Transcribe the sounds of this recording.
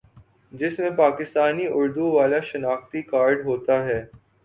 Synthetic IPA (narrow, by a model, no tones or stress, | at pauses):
d͡ʒɪsmẽpaːkɪst̪aːniʔʊɾd̪uʋaːlaʃɐnaːxt̪ikaːɾɖɦoːt̪aɦɛː